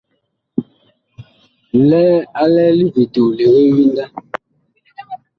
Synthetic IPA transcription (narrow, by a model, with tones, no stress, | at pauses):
lɛː˦a˦lɛː˦li˦vi˨to˨le˨ɣe˦wi˦nda˦